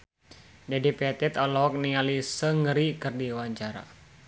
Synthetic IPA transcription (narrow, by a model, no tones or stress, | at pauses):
dadipɛt̪ɛt̪ɔlɔɔk̚niŋalisəŋɡəɾikɨrdiwaɲt͡ʃaɾa̰